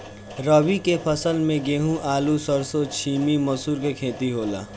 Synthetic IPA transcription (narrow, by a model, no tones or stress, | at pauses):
ɾəbikepʰəsəlmẽɡeːɦũʔaːlusəɾsot͡ʃʰiːmimɐsuːɾkekʰẽːt̪iɦoːla̰ː